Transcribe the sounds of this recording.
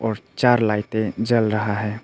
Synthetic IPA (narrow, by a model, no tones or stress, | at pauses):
ɔːɾt͡ʃaːɾlaːɪt̪ed͡ʒəlɾəɦaɦɛː